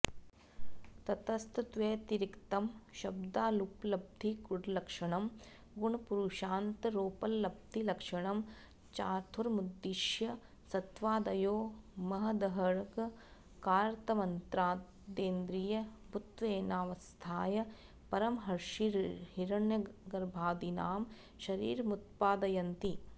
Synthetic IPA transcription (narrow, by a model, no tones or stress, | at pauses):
t̪ɐt̪ɐst̪t̪ʋeːt̪iɾikt̪ɐmʃɐb̚d̪aːluplɐb̚d̪ʱikuɽlɐkʂɐɳɐm | ɡuɳɐpuɾuʃaːnt̪ɾoːpɐlːɐb̚d̪ʱilɐkʂɐɳɐm | t͡ʃaːɾt̪ʰuɾmud̪ːiʃjɐ | sɐt̪ʋaːd̪ɐjoːmɐɦɐd̪ɐɦɐɽk | kaːɾt̪ɐmɐnt̪ɾaː | d̪eːnd̪ɾijɐbʱut̪ʋeːnaːʋɐst̪ʰaːjɐ | pɐɾɐmɦɐɾʂiɾɦiɾɐɳjɐɡɐɾbʱaːd̪inaːm | ʃɐɾḭːɾmut̪̚paːd̪ɐjɐnt̪i